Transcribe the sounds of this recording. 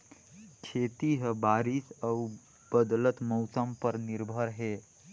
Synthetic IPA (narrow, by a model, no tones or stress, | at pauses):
kʰet̪iɦəbaɾisəw | b̥əd̪lət̪mɔwsəmpəɾniɾbʱəɾɦe